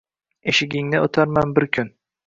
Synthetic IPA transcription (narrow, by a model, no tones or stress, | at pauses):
eʃɪɡʲɪŋnɪo̰t̪ʰaɾmanbɪɾkʲʰʊn